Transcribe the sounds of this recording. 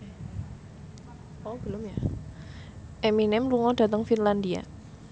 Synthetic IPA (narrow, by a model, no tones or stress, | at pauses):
ɔb̥əlʊmja | ʔɛminɛmluŋɔd̥a̤t̪əŋfinland̪ia̰